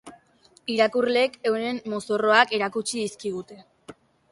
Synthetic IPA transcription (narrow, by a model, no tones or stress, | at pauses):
iɾakurle̞ke̞wne̞mmoso̞ro̞ake̞ɾakut͡ʃiðiskiɣut̪e̞